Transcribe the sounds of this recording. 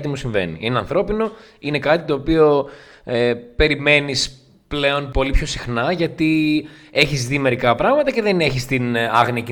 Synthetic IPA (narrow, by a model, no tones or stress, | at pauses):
t̪imusiɱve̞̰nḭineɐ̰nθɾo̞pino̞ | ine̞kɐt̪it̪o̞ːpio̞ | epe̞ɾime̞nis | ple̞o̞npo̞lipço̞sixnɐʝɐt̪ie̞çizðime̞ɾikɐpɾɐɣmɐt̪ɐce̞ðene̞çist̪inɐ̰ɣniɐci